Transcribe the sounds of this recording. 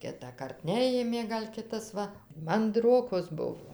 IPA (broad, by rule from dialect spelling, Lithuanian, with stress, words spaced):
ˈkʲɪtɑːkɐrt ˈnʲæːjeːmʲeː ˈɡɐlʲ ˈkʲɪtɐs ˈʋɐ mɐnˈdroːkoːs ˈbʊʋoː